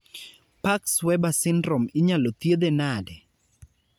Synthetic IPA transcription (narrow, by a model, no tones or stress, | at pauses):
pakswɛbasɪndɾɔmɪɲalot̪jed̪enadɛ